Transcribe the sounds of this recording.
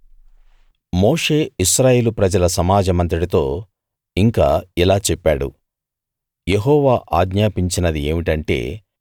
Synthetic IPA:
moːʂe̞ːiʃɾaːje̞ːlupɾɐd͡ʒɐlɐsɐmaːd͡ʒɐmɐnt̪ɐɽit̪o̞ː | iŋka̰ːilaːt͡ʃɛpːaːɽṵ | je̞ɦɔːʋaːʔaːɡɲaːpiɲt͡ʃinɐd̪ie̞̰ːmiʈɐɳʈe̞̰ː

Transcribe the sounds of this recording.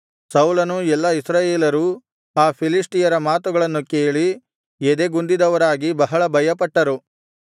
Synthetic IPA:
sɐwlɐnuɛlːɐisɾaːjeːlɐɾu | aːpʰilisʈijɐɾɐmaːt̪uɡɐɭɐnːukeːɭi | ed̪eɡund̪id̪ɐʋɐɾaːɡibɐɦɐɭɐbʱɐjɐpɐʈːɐɾu

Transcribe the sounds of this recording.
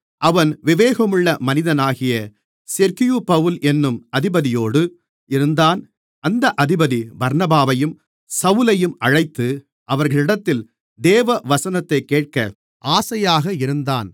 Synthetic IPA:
ʔɐʋɐnʋɪʋeːɣɐmɯɭːɐmɐnɪðɐnaːɣɪjɐ | sɛɾkɪjupɐʋɯlʔɛnːɯmɐðɪbɐðɪjoːɽɯ | ʔɪɾɯnd̪aːn | ɐnd̪ɐʔɐðɪbɐðibɐɾnɐbaːʋɐjɯm | sɐʋɯlɐjɯmɐɻɐɪt̪ːɯ | ʔɐʋɐɾɣɐɭɪɽɐt̪ːɪl | d̪eːʋɐʋɐsɐnɐt̪ːɐɪkːeːʈ̚kɐ | ʔaːsɐjaːɣɐɪɾɯnd̪aːn

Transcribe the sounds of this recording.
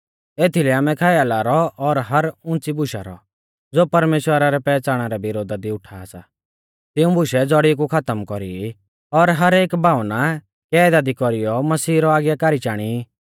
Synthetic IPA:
eːt̪ʰilɛaːmɛkʰaːjalaːɾɔɔɾɦɐɾʊ̃nt͡sibʱʊʃa̰ɾɔ̰ | d͡zoːpɐɾmeːʃwəɾaɾɛpɛːt͡saːɽ̃aɾɛbɪɾoːd̪ad̪iʊʈʰaːsa̰ | t̪ɪũbʱʊʃɛd͡zɔɽik̬ukʰɐt̪əmkɔɾḭ | ɔɾɦɐɾeːkbʱaːʊna | kɛːd̪ad̪ikɔɾijɔmɐsiːɾɔaːɡjakaːɾit͡ʃaːɽ̃i

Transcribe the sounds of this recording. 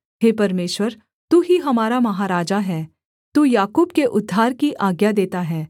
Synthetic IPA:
ɦeːpɐɾmeːʃwəɾ | t̪uːɦiɦɐmaːɾamɐɦaːɾaːd͡ʒaɦɛː | t̪uːjaːkuːbkeʔʊd̪ʱːaːɾkiʔaːɡjad̪eːt̪aɦɛː

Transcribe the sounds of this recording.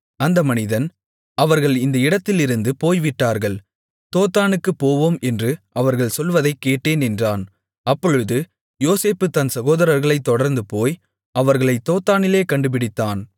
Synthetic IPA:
ɐnd̪ɐmɐnɪðɐn | ɐʋɐɾɣɐɭɪnd̪ɐɪɽɐt̪ːɪlɪɾɯnd̪ɯpoːjʋɪʈːaːɾɣɐɭ | t̪oːt̪ːaːnɯkːɯpːoːʋoːmɛndrɯʔɐʋɐɾɣɐɭsɔlʋɐðɐɪkːeːʈːeːnɛndraːn | ɐpːɔɻɯðɯ | joːseːpːɯt̪ɐnsɐɣoːðɐɾɐɾɣɐɭɐɪt̪ːɔɽɐɾnd̪ɯpoːj | ɐʋɐɾɣɐɭɐɪt̪ːoːt̪ːaːnɪleːkɐɳɖɯp̬ɪɽɪt̪ːaːn

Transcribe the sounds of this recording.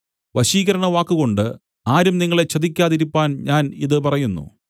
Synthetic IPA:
ʋɐɕiːɣɐɾɐɳɐʋaːkːuɣo̞ɳɖɨ | aːɾumniŋːɐɭe̞t͡ɕːɐðik̬ʲːaːðiɾipːaːnɲaːniðɨpɐrɐjunːṵ

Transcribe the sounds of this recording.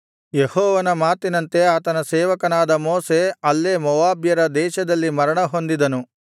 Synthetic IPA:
jehɔːʋɐnɐmaːt̪inɐnt̪e̞aːt̪ɐnɐsɛːʋɐkɐnaːd̪ɐmoːse̞ɐlːeːmɔʋaːbjɐɾɐd̪ɛːʃɐd̪ɐlːimɐɾɐɳɐɦo̞nd̪id̪ɐnu

